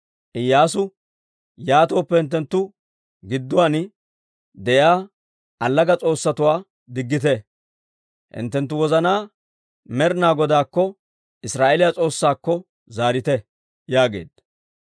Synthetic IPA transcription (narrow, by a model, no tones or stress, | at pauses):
ʔɪjːaːs̬ʊ | jaːt̪oːpːɛhɪnt̪̬ːɛnt̪ːʊ | ɡɪd̪ːʊwan | d̪ɛjaː | ɐlːɐɡɐt͡sʼo̞ːsːɐt̪ʊwaː | d̪ɪɡːɪt̪ɛ | hɪ̰nt̪ːɛnt̪ːʊwɔzɐnaː | mɛɾnaːɡɔd̪aːkːɔ | ʔɪsɾaːʔelɪjat͡sʼo̞ːsːaːkːɔ | zaːɾɪt̪ɛ | jaːɡe̞̰ːd̪̥ɐ